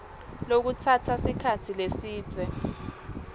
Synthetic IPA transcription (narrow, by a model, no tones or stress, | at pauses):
lok̬utʰatʰasikʰatʰilesiːd̥z̥ʱɛ